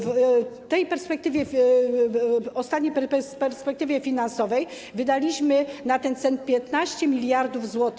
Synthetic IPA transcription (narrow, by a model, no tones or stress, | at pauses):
vt̪ɛjpɛɾspɛk̚t̪ɘvʲjɛ | ɔst̪at̪ɲejppɛɾspɛk̚t̪ɘvʲjɛfʲinansɔvɛj | vɘd̪alʲiɕmɘnat̪ɛnt̪sɛnt̪̚pʲjɛt̪naɕt͡ɕɛmʲilʲjaɾd̪uvzwɔt̪